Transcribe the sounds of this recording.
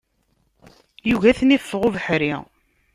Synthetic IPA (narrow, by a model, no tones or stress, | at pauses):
juʝæθnifːəʁʊvəħɾi